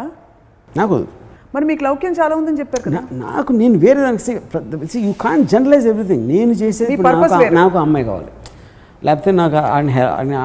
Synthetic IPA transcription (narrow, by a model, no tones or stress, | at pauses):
naːko̰ṵmɐɾimiːkulɐwkjɐmt͡ʃaːlaːund̪ɐnt͡ʃɛpːaːɾkɐana̰ːkuneːnuʋeːɾed̪ɐnɐki̥sepɐsijukʰaːɳʈ̚d͡ʒɛnɾɐlajzeʋɾit̪ʰĩŋɡneːnut͡ʃeːseːpːuɐɾaːɐkːnaːkuɐmːɐjka̰ːʋa̰ːli | lʔɛːpɐt̪eːnaːka̰ːnɦɛa̰ni